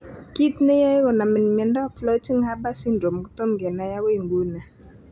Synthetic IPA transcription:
ki˦tne˦jɛ˦ɣɔ˨na˨mɪ˨n˨m˨ɛ˨ndɔ˦˨flɔ˦t͡ʃi˦ŋa˦ba˦si˦ndɾo˨m˨ɡu˦to˦mɡɛ˨na˨ja˦ɣe˨ŋɡu˦na˨

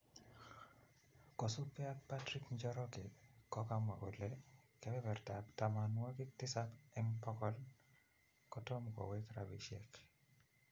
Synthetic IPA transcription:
kɔ˨su˦pɛ˦a˦k̚patɾiknd͡ʒɔ˦ɾɔkɪ˨kɔ˦ka˦mwa˨ɡo̰˨lekɛbɛ˦bɛ˨rta˨ptama˨nwa˦kɪtɪ˦sapɛmpɔ˦kɔl | kɔtɔ˦mkɔ̰˨wɛ˦kɾabḭ˨ʃɛ̰k

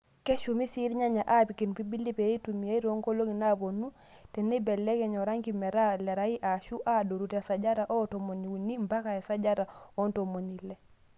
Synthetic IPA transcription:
ke˦ʃumi˦si˦ɾɲa˦ɲa˨ʔa˦pi˨ki˨npi˦bi˦lːi˦pe˨i˦tumi˨a˦i˦ɾo˦ŋko˦lo˦ŋi˨na˦bo˨nu˦ | te˨ne˦be˨lːe˦ke˨ɲo˨ɾa˦ŋkime˨ɾa˦le˨ɾai˦ʔa˨ʃu˦ʔado˨ɾu˨te˨sa˨ɟa˦ɾa˨ʔo˦tomo˨ni˨wu˨ni˦mba˦kae˨sa˦ɟa˦ɾa˨o˦ntomo˨ni˨le˨

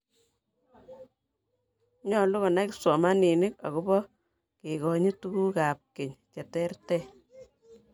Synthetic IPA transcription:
ɲɔ˨lu˦ɣɔ˨na˦ksɔ˨ma˦ni˨nɪ˦ka̰˨ku˦bɔ˦ | ke˨kɔ˨ɲi˦tu˦ku˦ka˨p̚ke˨ɲt͡ʃɛ˨tɛ˦rtɛ˦

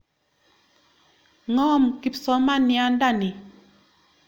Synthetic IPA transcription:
ŋɔ˦˨mki˨psɔ˨˦ma˦nja˦n˦da˦˨ni˨

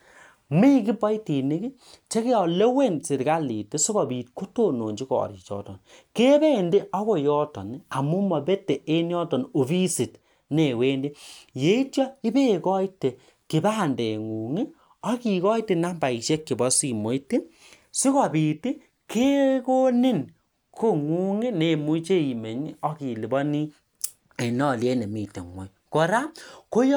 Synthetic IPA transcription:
mi˦ki˦bɔ˦i˦ti˨ne˦ki˦ | t͡ʃe˦ke˦ɔ˨le˦we˦nsi˨ɾka˦li˨te˦si˦kɔ˨bi˨tko˦to˦no˨ɲd͡ʒi˦kɔ̰ː˨ɾḭ˨t͡ʃɔ̰˦tɔ̰˨nke˦be˦˨nde˦ɔ˦ko˨jɔ˦tɔ̰˨na˨mu˦mɔ˨be˦te˨ʔe˦njɔ˦tɔ˨no˨fi˦si˨t | ne˨weː˦ndi˦je˨˦i˦tjɔ˦i˦be˦kɔ˦ite˨ | ki˨baː˦˨nde˨ŋu˨ŋi˦ | ɔ˦ki˨kɔ˦i˦te˨na˦mba˨i˨ʃe˦kːi˨bɔ˦si˨mo˨˦i˦ti˦ | si˦kɔ˨bi˨ti˦ | kʰe˦ko˦ni˦n | kʰo˦ŋu˦ŋi˦ne˨mu˦t͡ʃe˦i˨me˨ɲ˦ɔ˦ki˨li˨bɔ˦ni˦ | e˨nɔ˦˨lje˦ne˨mi˨tḛ˨ŋwo˨j | ko˨ɾa˦ko˦j

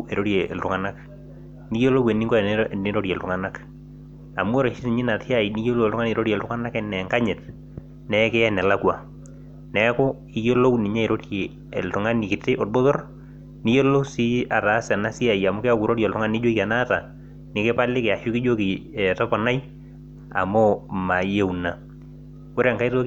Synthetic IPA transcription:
e˨ɾo˦ɾjɛ˨ɛ˨ltʊ˨ŋa˨na˦k | ni˦jo˦lo˦we˨nɪ˦ŋɡɔ˦ɛ˨nɪ˦ɾo˦ɾjɛ˨ltʊ˨ŋa˨na˦k | a˨mʊ˦ɔ˦ɾɔ˨ʃɪ˦nɪ˨ɲɪ˦na˨tɪ˦a˦˨i˨ni˦jo˦lo˦˨tʊŋa˦ne˨ɾo˦ɾjltʊ˦ŋa˦na˦kɛ˦nɛ˨ŋka˦ɲɪ˨t̚ | nɛ˦kɪ˦ɛ˦nɛ˨la˦kwa˨ | nɛ˦kʊ˦ | i˦jo˦lo˦wnɪ˨ɲɛ˦e˨ɾo˦tje˨ | ɛ˨ltʊ˨ŋa˦ni˨kɪ˨tɪ˦ʔo˨rbo˦ðɔ˦r | ni˦jo˦lo˦si˦a˨ta˨˦sɛ˨na˦si˦a˨ja˨mʊ˦kɪ˦a˦ku˨ɾo˦ɾjɛ˨ltʊ˦ŋa˦ni˦d͡ʒo˦ika˨na˦ta˨ | nɪ˨kɪ˦pa˦lɪ˦kɪ˨a˨ʃʊ˦kɪ˦d͡ʒo˦ki˨ɛ˨tɔ˦pɔ˨na˦j | a̰˨mʊ˦ma˨je˦wuna˨ | ko˦ɾe˦a˨ŋka˦i˦to˦

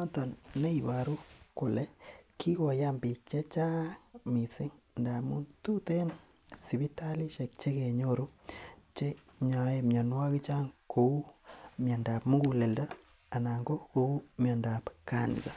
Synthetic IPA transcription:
a˦tɔ˨nne˦i˨ba˨ɾu˦ko˨le˦kʰi˦ko˨ja˦mbi˨k̚t͡ʃe˦t͡ʃa˦mi˨sɪ˦ŋ | nda˨mu˦ntu˦te˦n | si˨βi˦ta˦li˦ʃe˨k̚t͡ʃe˦ke˨ɲo˦ɾu˦t͡ʃe˦ | ɲa˨e˨mja˨nwa˦ki˦t͡ʃa˦ŋkʰo˨u˦mja˨nda˨pmu˦ɡu˨le˨ldaː˦˨ | na˨ŋɡo˦ko˨u˦mja˨nda˨pka̰˨n˨sa˨

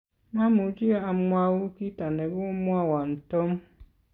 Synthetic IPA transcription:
nã˦mu˨d͡ʒi˦a˦a˨m̩˦mwa˦wʊ˦ki˦ta˨nɛ˨bʊ˦mʊ˦a˦wa˨n̩˨tɔ˦m˦

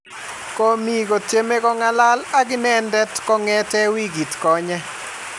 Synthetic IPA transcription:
ko˦mi˨ɡo˨tje˦me˦ɡɔ˦ŋa˦la˦la˦ɡɪ˦nɛndɛ˦tkɔ˦ŋɛ˦tɛ˦wi˦ɡi˨tkɔ˨ɲɛ˦

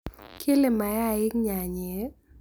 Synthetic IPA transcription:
kʰe˦le˨ma˨ja˦˨ɪ˦kɲa˨ɲe˨˦

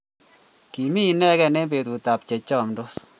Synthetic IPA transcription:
ki˨mi˦˨nɛ˦kɛ˦˧nɛ˦be˨tu˨ta˨p̚t͡ʃɛ˨t͡ʃɔ˦˨mdo˦s

